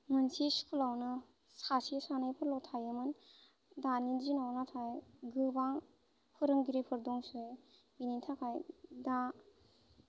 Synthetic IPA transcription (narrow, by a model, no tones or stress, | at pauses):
mɯnsisu̥pʰulawnɯ | sasisanajpʰɯɾlɔtʰajɯmɯn | danizinɔwnatʰajɡɯbaŋ | pʰɯɾɯŋɡiɾepʰɯɾdɔŋsɯj | initʰakʰajda